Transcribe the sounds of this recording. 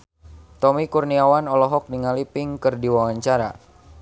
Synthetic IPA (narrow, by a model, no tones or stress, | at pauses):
t̪ɔmikurniawanɔlɔɦɔk̚niŋalipɪŋkɨrdiwawaɲt͡ʃaɾa̰